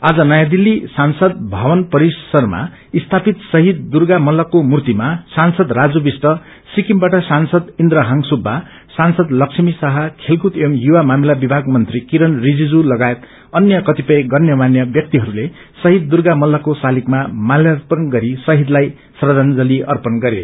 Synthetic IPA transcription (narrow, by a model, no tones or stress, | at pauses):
ad͡zʌnʌjad̪ilːisansʌd̪̚bʱʌbʌnpʌɾisʌrma̰ | ist̪ʰapit̪sʌɦid̪̚ːurɡamʌlːʌkomurt̪imasansʌd̪rad͡zubisʈʌ | sikimbaʈʌsansʌd̪ind̪ɾʌɦʌŋsubʱːa | sansʌd̪lʌksʰimisʌɦʌkʰelkut̪emjuwamamilabibʱaɡmʌnt̪rikiɾʌnrid͡zid͡zulʌɡaet̪ | ʌnjʌkʌt̪ipʌjɡʌnjʌmanjʌbjʌk̚t̪iɦʌɾule | sʌɦid̪̚ːurɡamʌlːʌkosalikmamaljʌrpʌnɡʌɾisʌɦid̪laj | srʌd̪ʱand͡zʌliʔʌrpʌnɡʌɾḛ